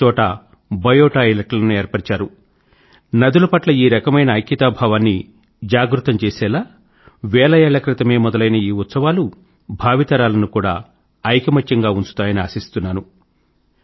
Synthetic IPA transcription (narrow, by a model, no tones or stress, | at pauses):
ɔːʈɐ | bɐjɔːʈaːilɐʈlɐnuɛːɾpɐɽt͡ʃaːɾu | nɐd̪ulɐpɐʈlɐiːɾɐkɐmɐjnɐːjkːit̪aːbʱaːʋaːnːi | d͡ʒaːɡɾut̪ɐmt͡ʃɛːsɛːlaː | ʋɛːlɐjɛːɭɐkɾit̪ɐme̞ːmɔd̪ɐlɐjnɐiːut̪sɐʋaːlu | bʱaːʋit̪ɐɾaːlɐnukuːɽa̰ː | ɐjkɐmɐt͡ʃːɐŋɡaːuɲt͡ʃu̥t̪aːjɐniaːsist̪unːaːnu